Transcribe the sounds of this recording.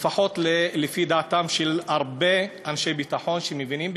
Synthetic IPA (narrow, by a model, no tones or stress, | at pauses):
faħo̞tlelefidaːt̪amʃelaʁbe̞anʃejbitaħo̞nʃemevinimb